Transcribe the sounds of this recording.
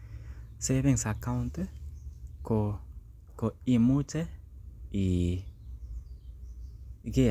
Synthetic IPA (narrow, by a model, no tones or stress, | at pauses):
seβeŋsakawnt̪e | ko | koimut͡ʃe | i | ɡe